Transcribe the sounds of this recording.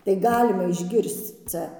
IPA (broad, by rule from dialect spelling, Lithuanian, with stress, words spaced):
tɐɪ ˈɡɑːlʲɪmɐ ɪʒʲˈɡʲɪrst͡s ˈt͡sʲɛ